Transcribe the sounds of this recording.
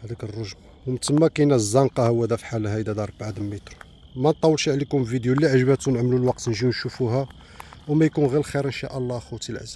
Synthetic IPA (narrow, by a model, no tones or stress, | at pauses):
hæd̪ækərˤːoʒbawmt̪əmːækæjnæzːɑnqɑhəwːæd̪æfħalɦæjd̪æd̪ɑɾˤbʕad̪əmːit̪ɾ | mænt̪ˤːɑwːəlʃiʕlikʊmvid̪julːiʕʒəbæt̪unəʕmlulwɑq̚t̪nʒiwnʃufuɦæ | wmæjkunɣilxiɾənʃa̰ʔəlˤːɑxut̪ilʕa̰zæ